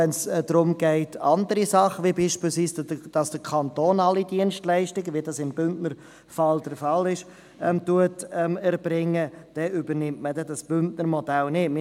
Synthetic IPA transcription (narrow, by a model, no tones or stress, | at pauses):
ɛnsdɾʊmɡɛɪtɑndəɾisɑχəʋibiːʃpilsviːsəd̥ɑsd̥əkʰɑnt̪oːnɑlidiənʃtlɛɪʃtɪɡəʋidɑsɪmbʏntnəɾ | fɑld̥əɾfɑlɪʃ | ɛmtuətɛmɛɾb̥ɾɪŋːəd̥ɛʏbənɪmtmədɛdɑsb̥ʏntnəɾmɔdælnɪtmɪ